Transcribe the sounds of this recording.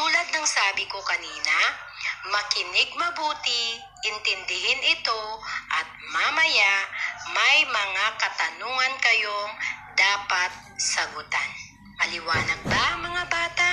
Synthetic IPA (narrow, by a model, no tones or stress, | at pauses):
tt̪uːlɐd̪̚nɐŋsaːbɪko̞kɐniːnɐ | mɐkɪnɪɡ̚mɐbuːt̪ɪ | ʔɪnt̪ɪnd̪ɪhɪnɪt̪o̞ʔɐt̪̚mamɐjamɐjmɐŋakɐt̪ɐnuːŋɐnkɐjo̞ŋd̪aːpɐt̪̚sɐɡʊt̪an | ʔɐlɪwaːnɐɡ̚baʔɐŋmɐŋabaːt̪a